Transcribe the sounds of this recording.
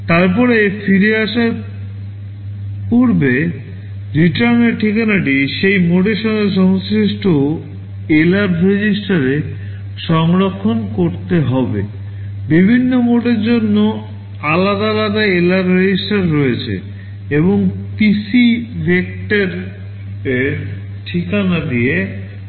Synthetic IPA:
t̪aɾpɔɾefiɾeaʃaɾ | puɾbe | ɾiʈaɾneɾʈʰːikanaʈiʃejmoʈeɾʃɔŋɡeʃ̬ɔŋsɾiʃʈʰo | elaɾɾed͡ʑisʈaɾe | ʃɔŋɾokʰːonkoɾt̪eɦɔbḛ | bibʱinːomoʈeɾd͡ʑonːo | alad̪alad̪aelaɾɾed͡ʑisʈaɾːɔet͡ɕʰḛ | eboŋp̪isibek̚ʈeɾ | ʈʰikanad̪ie

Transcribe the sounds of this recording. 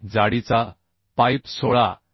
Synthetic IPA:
d͡zaɽit͡sa | pajpsɔɭa

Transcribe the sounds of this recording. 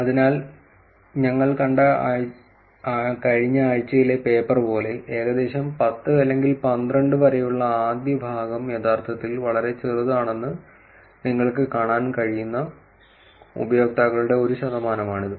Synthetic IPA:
ɐðinaːl | ɲɐŋːɐɭkɐɳɖɐa | kɐɻiɲːɐːɻt͡ɕːɐjile̞pe̞ːpːɐrpo̞ːle̞ʔeːɣɐd̪e̞ːɕɐmpɐt̪ːɨɐlːe̞ŋɡilpɐnd̪rɐɳɖɨʋɐɾɐjuɭːɐaːd̪jɐbʱaːɡɐmjet̪aːrt̪ʰɐt̪ːilʋɐɭɐɾe̞t͡ɕirɨðaːɳe̞nːɨ | niŋːɐɭkɨkaːɳaːnkɐɻijunːɐ | ṵbɐjo̞ːk̚t̪aːɣɐɭuɽe̞o̞ɾuɕɐðɐmaːnɐmaːɳiðɨ

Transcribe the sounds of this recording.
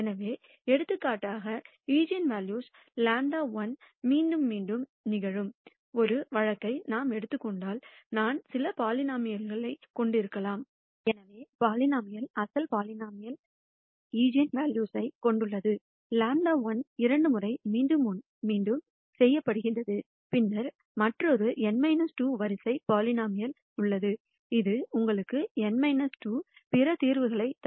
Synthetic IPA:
ɛnɐʋeː | ɛɽɯt̪ːɯkːaːʈːaːɣɐ | iːd͡ʒɪjɐnʋaːljuːs | laːɳɖaːʋɐnmiːɳɖɯmːiːɳɖɯmnɪɣɐɻɯm | ɔɾɯʋɐɻɐkːɐɪnaːmɛɽɯt̪ːɯkːɔɳɖaːlnaːnsɪlɐpaːlɪnaːmɪjɐlɣɐɭɐɪkːɔɳɖɪɾɯkːɐlaːm | ɛnɐʋeːpaːlɪnaːmɐjɐlɐsɐlpaːlɪnaːmɐjɐl | iːd͡ʒɪɐnʋaːljuːsɐɪkɔɳɖɯɭːɐðɯ | laːɳɖaːʋɐnɪɾɐɳɖɯmʊrɐɪmiːɖɯm | miːɳɖɯm | sɛjːɐpːɐɽɯɣɪɳrɐðɯ | pɪnːɐɾ | mɐʈrɐɔɾɯɛnmɐɪnɐsʈuːʋɐɾɪsɐɪpaːlɪnaːmɪjɐl | ʊɭːɐðɯ | ɪðɯʊŋɡɐɭɯkːɯɛnmɐɪnɐsʈuːpɪɾɐt̪iːɾʋɯɣɐɭɐɪt̪

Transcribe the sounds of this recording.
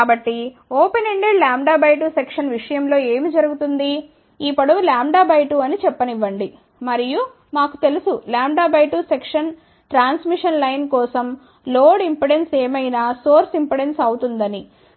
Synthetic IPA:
kaːbɐʈːi | oːpeneɳɖeɖlaːmɖaːbɐjʈusekʂɐnʋiʂɐjɐmlo̞ːe̞ːmid͡ʒɐɾuɡut̪und̪i | ipɐɽulaːmɖaːbɐjʈuɐnit͡ʃɛpːɐniʋːɐɳɖi | mɐɾiju | maːku̥t̪e̞lusulaːmɖaːbɐjʈusekʂɐn | ʈɾaːnsmiʂɐnlɐjnkɔːsɐm | loːɽimpeɽe̞nseːmɐjnaːso̞ːɾsimpeɽe̞nsɐwut̪und̪ɐni

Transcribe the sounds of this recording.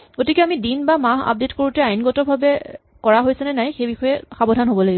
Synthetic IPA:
ɡotikɛamidinbamaɦa̰p̚detkoɹutɛajnɡɔtɔbʱabɛ | kɔɹaɦojsɛnɛnajxejbixɔjɛxabɔdʱanɦobɔlaɡibɔ

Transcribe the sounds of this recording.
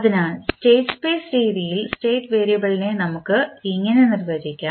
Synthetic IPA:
ɐðinaːlsʈe̞ːʈspeːsɾiːðijilsʈe̞ːʈːʋeːɾijɐbɐɭinenɐmukːɨiŋːɐne̞nirʋeːsikʲːaː

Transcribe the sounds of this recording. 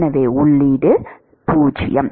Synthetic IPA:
nɐʋeːʊɭːiɖɯ | puːt͡ʃɪ̰jɐm

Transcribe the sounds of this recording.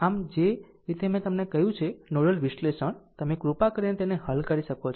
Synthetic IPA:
amd͡ʒe | ɾit̪emẽt̪əmnekəɦjũt͡ʃʰenoɽəlʋiʃleʃəɳt̪əmekɾupakəɾinet̪eneɦəlkəɾiʃəkot͡ʃʰ

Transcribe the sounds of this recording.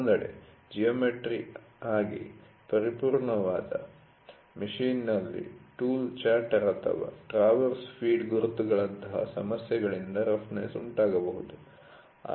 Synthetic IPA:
nd̪ɐɽḛ | d͡ʒijɐːmeʈɾiaːɡḭ | pɐɾipuːɾɳɐʋaːd̪ɐ̰ | miʂiːnːɐlːḭʈuːlt͡ʃaːɾʈɐɾɐt̪ʰɐ̰ʋɐ̰ʈɾaːʋɐɾspʰiːɖɡuɾut̪ːuɡɐɭɐnt̪ɐɦɐ̰sɐmɐsjɐɡɐɭind̪ɐɾɐfnḛːsuɳʈaːɡɐbɐɦud̪ṵ

